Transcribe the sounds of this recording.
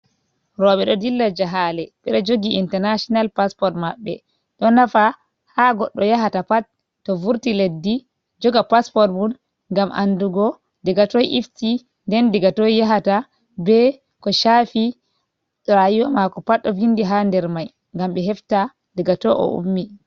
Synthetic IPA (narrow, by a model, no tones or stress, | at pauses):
ɾɔɓɛɗɔdilːad͡ʒaɦalɛɓɛɗɔd͡ʒoɡiintɛɾnaʃɔnalpaspɔɾtmaɓːɛ̰ | ɗɔnafa | haɡɔɗːɔjaɦatapat | tːɔvuɾtiledːi | d͡ʒɔɡapaspɔɾtbun | ŋɡamʔa̰nduɡɔ | diɡatɔjʔifti | ndɛndiɡatɔjjaɦata | bɛ | kɔʃafi | ɗɾajiwamakɔpatːɔvindiɦandɛɾmaj | ŋɡamɓɛɦɛfta | diɡatɔʔɔ̰ʔṵmːi